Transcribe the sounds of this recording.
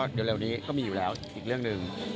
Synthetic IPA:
ɗi˨˩˦le˨˧˩wni˨˦˥kɔː˧˥˩miː˨˧˨u˨˩lɛː˨˦˥wi˨˩k̚lɨ˧˩əŋnɨ˨˩ŋ

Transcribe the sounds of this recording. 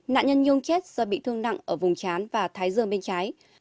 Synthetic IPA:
na̰ː˧˨nɲə˧nɲʊ˧ŋ͡mt͡ɕe˦˥t̚səː˧˩ɓḭ˧˨t̪ʰɨ˧əŋna̰˧˨ŋʔəː˧˩vʊ˨˩ŋ͡mt͡ɕaː˨˦nvaː˨˩t̪ʰaː˨˦jzɨ˨˩əŋɓe˧nt͡ɕaː˨˦j

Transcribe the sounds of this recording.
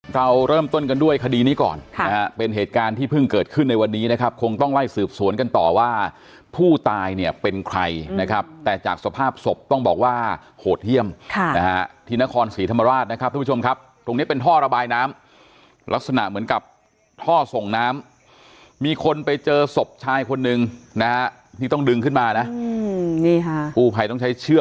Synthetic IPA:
ɾa˧wɾɤː˥˩mt̪o˥˩nka˧ndu˥˩əjkʰa˧diː˧niː˦˥kɔ̰ː˨˩nʰn˦a˦ha˦˥pe˧nɦeː˨˩t̪̚kaː˧nt̪ʰiː˥˩pʰɯ˥˩ŋkɤː˨˩t̪̚kʰɯ˥˩nːa˧jwa˧nːiː˦˥na˦˥kʰa˦˥p̚kʰo˧ŋt̪ɔ˥˩ŋla˥˩jsɯː˨˩p̚su˨˩˦nka˧nt̪ɔː˨˩waː˥˩ | pʰuː˥˩t̪aː˧jni˥˩əpe˧nkʰɾa˧jna˦˥kʰa˦˥p̚t̪ɛː˨˩t͡ɕaː˨˩k̚sa˧pʰaː˥˩p̚so˨˩p̚t̪ɔ˥˩ŋbɔː˨˩k̚waː˥˩hoː˨˩t̪̚hi˥˩əmkʰna˦˥ha˦˥t̪ʰiː˧na˦˥kʰɔː˧nsiː˩˦t̪ʰa˧ma˧ɾaː˥˩t̪̚na˦kʰa˦p̪̚ʰːaː˥˩˦u˥˦o˧mkʰa˦˥p̚t̪ɾo˧ŋni˦˥pe˧nt̪ʰɔː˥˩ɾa˧baː˧jnaː˦˥m | lʔa˦˥k̚sa˧na̰˨˩ʔmɯ˩˦nka˨˩p̚ | t̪ʰɔː˥˩so˨˩ŋnaː˦˥mː | miː˧kʰo˧npa˧jt͡ɕɤː˧so˨˩p̚t͡ɕʰaː˧jkʰo˧nːɯ˨˧ŋna˦˥ha˦˥ʔ | tʰi˥˩t̪ɔ˥˩ŋdɯ˧ŋkʰɯ˥˩nmaː˧na˦˥ʔni˥˩kʰa˦˥pʰuː˧˩pʰa˧jt̪ɔ˥˩ŋt͡ɕʰjt͡ɕʰɯ˥˩ə

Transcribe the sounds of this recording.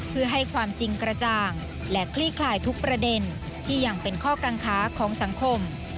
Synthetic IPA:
pʰɯ˥˩ɐɦa˥˩jkʰwaː˧mt͡ɕi˧ŋkɾa˧t͡ɕaː˧ŋ | lɛ˦˥kʰliː˥˩kʰlaː˧˩jt̪ʰu˦˥k̚pɾa˧de˧n | t̪ʰiː˥˩ja˧˩ŋpe˧nkʰɔː˥˩kaː˧nkʰaː˦˥kʰɔː˩˦ŋsa˩˦ŋkʰo˧m

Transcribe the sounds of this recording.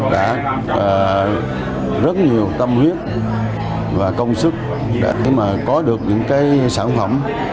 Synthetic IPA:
ɗa̰ː˧˥ | əː˨˩ | zə˦˥t̚ɲi˨˩əwt̪ə˧mhwi˦˥ət̚ | vaː˨˩kə˧wŋ͡msɨ˦˥k̚ | ɗa̰ː˧˥xi˧˩maː˨˩kɔ˨˦ɗɨ˨˩ək̚ɲɨ̰˧˥ŋkaː˨˦jsaː˧˩nfə˧˩m

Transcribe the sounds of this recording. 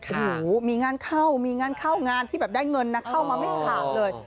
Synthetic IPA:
uː˨˩˦miː˧ŋaː˧nkʰa˥˩wmiː˧ŋaː˧nkʰa˥˩wŋaː˧nt̪ʰiː˥˩bɛː˨˩p̚daː˥˩jŋɤ˧nːa˦˥kʰa˥˩wmaː˧ma˥˩jkʰaː˨˩t̪̚lɤː˧j

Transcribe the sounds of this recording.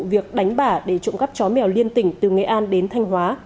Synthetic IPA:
vi˨˩ək̚ɗa˨˦jŋ̟ɓaː˧˩ɗe˧˩t͡ɕʊ̰˧˨ŋ͡mkə˦˥p̚t͡ɕɔ˨˦mɛ˨˩wli˧ənt̪ï˧˩ŋ̟t̪ɨ˨˩ŋə̰˨˩ʔaː˧nɗe˨˦nt̪ʰa˧jŋ̟ɦwaː˨˦

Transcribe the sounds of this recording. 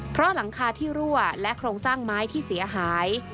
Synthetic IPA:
pʰɾɔ˦˥la˩˦ŋkʰaː˧t̪ʰiː˥˩ɾu˥˩ɐlɛ˦˥kʰɾoː˧ŋsaː˥˩ŋmaː˦˥jt̪ʰiː˥˩si˩˦ɐɦaː˩˦j

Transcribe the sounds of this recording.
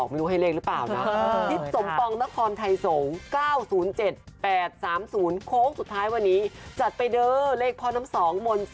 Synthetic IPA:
k̚meː˧nu˧˩ɦa˥˩jleː˥˩k̚lɯ˦˥paː˨˩wna˦˥t̪ʰi˦˥t̪̚so˩˦mpɔ˧ŋna˦˥kʰɔː˧nt̪ʰa˧jso˩˦ŋkaː˥˩wsuː˩˦nt͡ɕe˨˩t̪̚pɛː˨˩t̪̚saː˩˦msuː˩˦nkʰoː˦˥k̚su˨˩t̪ʰːaː˦˥jwa˧nːiː˦˥t͡ɕa˨˩t̪̚pa˧jdɤː˧leː˥˩k̚pʰɔː˧˩na˦˥msɔː˩˦ŋmo˧n

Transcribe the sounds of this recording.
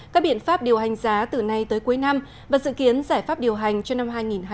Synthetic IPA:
kaː˦˥k̚ɓi˧˩ənfaː˦˥p̚ɗi˨˩əwɦa˨˩ŋ̟zaː˨˦t̪ɨ˨˩na˧jt̪əː˨˦jku˨˦jna˧m | vaː˨˩zɨ̰˧˨ki˨˦ənzaː˧˩jfaː˦˥p̚ɗi˨˩əwɦa˨˩jŋ̟t͡ɕɔ˧na˧mɦaː˧jŋi˨˩nː˧

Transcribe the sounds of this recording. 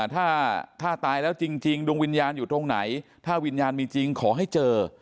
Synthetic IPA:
t̪ʰaː˥˩t̪ʰaː˥˩t̪aː˧jlɛː˦˥wt͡ɕi˧ŋt͡ɕi˧ŋdu˧əŋwi˧njaː˧njuː˨˩t̪o˧ŋna˩˦jt̪ʰaː˥˩wi˧njaː˧nmiː˧t͡ɕi˧ŋkʰɔː˩˦ɦa˥˩jt͡ɕɤː˧

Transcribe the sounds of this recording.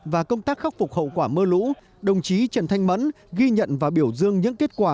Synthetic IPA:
vaː˨˩kə˧wŋ͡mt̪aː˦˥k̚xa˦˥k͡p̚fʊ˨˩k͡p̚hə̰˧˨wkwaː˧˩məː˧lṵ˧˥ | ɗə˨˩wŋ͡mt͡ɕi˨˦t͡ɕə˨˩nt̪ʰa˧jŋ̟mə̰˧˥n | ɣi˧ɲə̰˧˨nvaː˨˩wɓi˧˩əwzɨ˧əŋɲɨ̰˧˥ŋki˦˥ət̚kwaː˧˩

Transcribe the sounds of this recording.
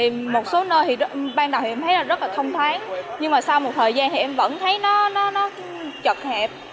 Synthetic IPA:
mo˨˩t̚so˨˦nəː˧jt̪ʰi˨˩˦ɓaː˧ŋnɗa˨˩wt̪i˨˩˨ɛ˧mt̪ə˨˦jlaː˨˩zə˦˥laː˨˩t̪ʰə˧wŋ͡mt̪ʰwaː˨˦ŋɲɨ˧ŋmaː˨˩sa˧wmo˨˩t̚t̪ʰəː˨˩jzaː˧nt̪i˨˩ʔɛ˧mvə̰˧˥nt̪ʰə˨˦jnɔ˨˦nɔ˨˦nɔ˨˦ | t͡ɕə˨˩k̚hɛ˨˩p̚

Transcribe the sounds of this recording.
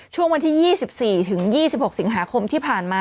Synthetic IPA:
t͡ɕʰu˥˩əŋwa˧nt̪ʰiː˥˩jiː˥˩si˨˩p̚siː˨˩t̪ʰɯ˩˦ŋjiː˥˩si˨˩p̚ho˨˩k̚si˩˦ŋɦaː˩˦kʰo˧mt̪ʰiː˥˩pʰaː˨˩nmaː˧

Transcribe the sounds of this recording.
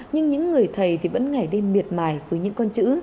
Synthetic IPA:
ɲɨ˧ŋɲɨ̰˧˥ŋːɨ˨˩əjt̪ʰə˨˩jt̪ʰi˨˩və̰˧˥nŋa˧˩jɗe˧mmi˨˩ət̚maː˧˩jvəː˨˦jɲɨ̰˧˥ŋkɔ˧nt͡ɕɨ̰˧˥

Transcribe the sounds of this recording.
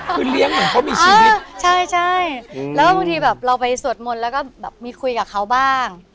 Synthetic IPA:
ɯ˧˥nli˦˥əŋɔ˧˩ɔ˦˥miː˧aː˥˧t͡ɕʰa˥˩jt͡ɕʰa˥˩jlɛː˦˥wkɔː˥˩ba˧ŋt̪ʰiː˧bɛː˨˩p̚ɾa˧wpa˧jsu˨˩ət̪̚mo˨˧n̚lɛː˦˥wkɔː˥˩bɛː˨˩p̚miː˧kʰu˧jkaː˨˩kʰa˦˥wbaː˥˩ŋ

